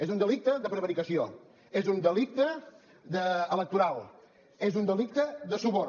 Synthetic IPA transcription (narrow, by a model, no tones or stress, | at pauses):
ezund̪əlik̚t̪əðəpɾəβəɾikəsio | ezund̪əlik̚t̪ə | d̪əələk̚t̪uɾalˠ | ezund̪əlik̚t̪əðəsuβɔ